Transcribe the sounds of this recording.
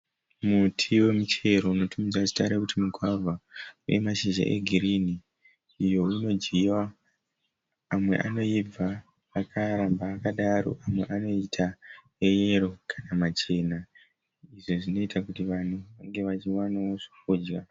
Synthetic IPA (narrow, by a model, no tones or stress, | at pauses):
mutʰiwe̞mut͡ʃe̞ɾo̞uno̞tʰumid͡zaʐi̥taɾekutimuɡʱwavʱaujemaʃiʒa̰ʔe̞̰ɡʱiriniː | jo̞ino̞d͡ʒɡiwa | mwe̞̰ʔano̞ib͡vaː | kʰaɾambaːkaɗaɾo̞̰ʔamwe̞ʔano̞itʰa | ejeɾo̞kʰanamat͡ʃe̞ːna | iʐoʐino̞itʰakutiʋan̤uʋaŋɡe̞ʋat͡ʃiwanaoʐikuːd͡ʒɡa